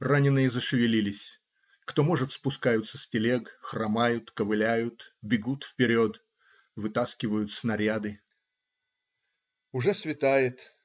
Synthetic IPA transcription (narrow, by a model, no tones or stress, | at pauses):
ranʲɪnːɨjəzəʂɨvʲɪlʲilʲɪsʲ | kt̪o̞mo̞ʐɨt̪spʊskajʊt̪səsʲtʲɪlʲekxrɐmajʊt̪kəvɨlʲæjʊt̪bʲɪɡut̪fpʲɪɾʲot̪ | vɨt̪askʲɪvəjʊt̪snɐɾʲad̪ɨ | ʊʐɛsvʲɪt̪ajɪt̪